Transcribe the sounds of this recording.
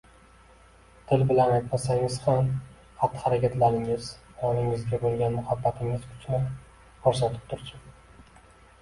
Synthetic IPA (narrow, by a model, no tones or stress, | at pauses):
t̪ʰɪlbɪlanajt̪masaŋʲɪz̥ham | hat̪ʰːɪ̥haɾakʲʰat̪laɾɪŋɪz | jɒnɪŋɪzɡʲabolˠɡʲanmʊhabːat̪ʰɪŋɪz̥kʰʊ̥t͡ʃʰnɪ | kʰoɾsat̪ʰɪ̥p̚t̪ʰʊɾsʊ